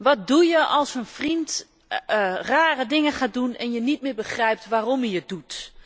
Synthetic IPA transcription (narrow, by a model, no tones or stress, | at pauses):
ʋɔt̚dujəʔɔlˠsənfrint | raːrədɪŋəxaːt̚dunɛ̰njənit̚mɪːbəxrɛjp̚tʋaːromjəjədut